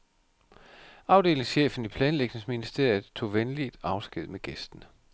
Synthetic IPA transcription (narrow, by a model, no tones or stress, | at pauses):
ɑ̈ʊd̥e̝ːle̝ŋsɕḛːfn̩ipʰlɛːnleɡ̥ne̝sminisd̥ḛɐ̰je̥t͡sʰo̝̰ːʋenlid̥ɑ̈ʊsɡ̥eð̞̰ˠmeɡ̥esd̥n̩